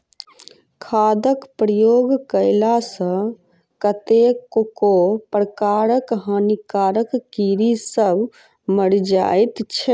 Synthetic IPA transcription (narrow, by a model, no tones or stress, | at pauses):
kʰaːd̪əkpɾəjoːɡkəɪlasə̃ | kət̪ekkopɾəkaːɾəkɦənikaːɾəkːiɾisəb | məɽd͡ʒa̰jt̪t͡ʃʰe